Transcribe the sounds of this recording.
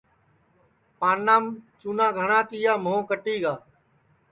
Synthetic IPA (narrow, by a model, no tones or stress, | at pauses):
paːnːaːmt͡ʃuːnãːɡʱəɳãːt̪iːjaːmõːkəʈiːɡaː